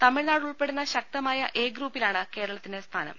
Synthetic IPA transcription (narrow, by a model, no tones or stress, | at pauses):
t̪ɐmːiɻnaːɽuɭpe̞ɽunːɐɕɐk̚t̪ɐmaːjɐʔe̞ːɡɾuːpːilaːɳɨke̞ːɾɐɭɐt̪ːinde̞st̪ʰaːnɐ̰m